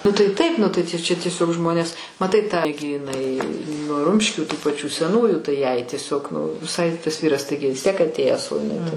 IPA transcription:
nʊ tɐɪ ˈtɐɪp ˈnʊ tɐɪ t͡ʃʲɛ tʲiɛˈsʲoːk ˈʒmoːnʲeːs mɐˈtɐɪ tɐ ɡʲɪ ɪˈnɐɪ nʊ ˈrʊmʲʃʲkʲuː tuː pɐˈt͡ʃʲuː sʲɛˈnuːjuː tɐɪ jɛɪ tʲiɛˈsʲoːk ʋʲɪˈsɐɪ tɐs ˈʋʲiːrɐs ˈtɐɪɡʲɪ ʋʲɪs ˈtʲiɛk ɐtʲˈeːjæːs oː ɪˈnɐɪ tɐɪ

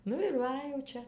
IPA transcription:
ˈnʊ ɪr ˈʋɐ jɛʊ ˈt͡ʃʲɛ

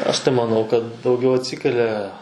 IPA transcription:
ɐʃ tɐɪ mɐˈnɐʊ kɐt dɐʊˈɡʲɛʊ ɐtʲˈsʲɪkʲɛlʲɛ

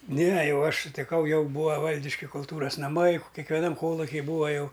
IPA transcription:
ˈnʲɛ ˈjɛʊ ˈɐʃ sʊtʲɪˈkɐʊ ˈjɛʊ ˈbuːɐ ˈʋɐlʲdʲɪʃʲkʲɪ kʊlˠˈtuːrɐs nɐˈmɐɪ kʲɛkʋʲɛˈnɐm ˈkoːlˠʊkʲɪ ˈbuːɐ ˈjɛʊ

